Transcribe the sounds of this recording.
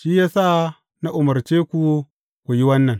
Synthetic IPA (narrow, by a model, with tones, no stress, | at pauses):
ʃiː˦jaː˦sa˦ | na˦ʔʊ˨mɐ˨ɾt͡ʃeː˦kʷu˨ | kʷu˨ji˦wɐ˦nːɐ˨ŋ